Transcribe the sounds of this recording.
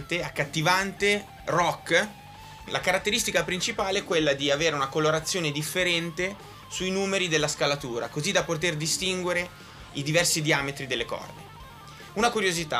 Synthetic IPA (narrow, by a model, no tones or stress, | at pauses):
t̪eakːat̪ːivant̪e | rɔkː | lakaɾat̪ːeɾist̪ikapɾint͡ʃipaːleɛkːwelːad̪iaveːɾeunakoloɾat̪sːjoːned̪ifːeɾɛnt̪e | suinuːmeɾid̪elːaskalat̪uːɾa̰kozid̪apot̪̬erd̪ist̪iŋɡweɾe | id̪ivɛrsid̪iaːmet̪ɾid̪elːekɔ̰rd̪ḛ | unakuɾjozit̪a̰